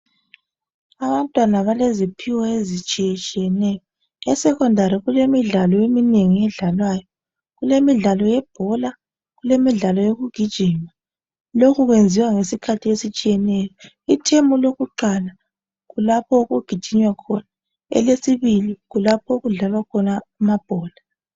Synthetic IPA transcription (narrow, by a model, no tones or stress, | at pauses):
aβantʼwanaβalezipʰiwaezit͡ʃʼiɛt͡ʃʼijɛnɛjɔ | ɛsɛkɔndʱaɾiɣulemiɮalɔemineŋiɛɮalwaːjɔ | ɣulemiɮalɔjɛb̥ʱɔla | ɣulemiɮalɔjoɣuɡ̥ʱid̥ʒ̥ʱima | lokʰuɣwend͡zʱiwaŋesikʰatʰiesit͡ʃʼijɛnɛjɔ | itʰembuloɣuǃala | ɣulapʰɔɣuɡ̥ʱid̥ʒ̥ʱiɲwakʰɔna | ɛ̰lesiβiliɣulapʰɔuɣuɮalwakʰɔnaumab̥ʱɔːla